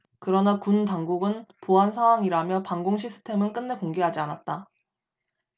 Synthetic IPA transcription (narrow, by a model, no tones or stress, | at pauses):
kɯɾʌnakuntaŋɡuɡɯnpoɦansʰawaŋiɾamjʌpaŋɡoŋɕʰisʰɯ̥tʰe̞mɯnk͈ɯnːe̞koŋɡeɦad͡ʑianat̚t͈a